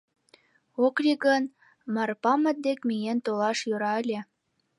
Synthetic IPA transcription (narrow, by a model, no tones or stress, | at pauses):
oklʲiɡən | mɑrpɑmə̆t̪̚d̪ekmʲijent̪olɑʃjøɾɑəlʲe